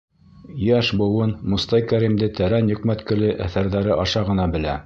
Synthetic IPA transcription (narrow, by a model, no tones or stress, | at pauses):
jæʃbɤ̆wɤnmŏst̪ɑjkæɾimd̪ɘt̪æɾænjɵ̆kmæt̪kɘ̆lɘʔæθæɾðæɾɘʔɑʃɑʁɤ̆nɑbɘ̆læ